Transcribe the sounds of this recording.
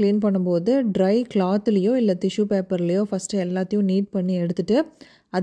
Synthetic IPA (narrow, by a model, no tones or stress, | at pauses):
liːnpɐɳːɯmpoːðɯɖɾɐɪkɭaːt̪ːɪlɐjʊ̃ːɪlːɐt̪ɪʂupeːpɐɾɪlɐjõːfɐsʈɯɛlːaːt̪ːɪjʊ̃niːʈ̚pɐɳːiɛɽɯt̪ːɯʈːɯ | ɐ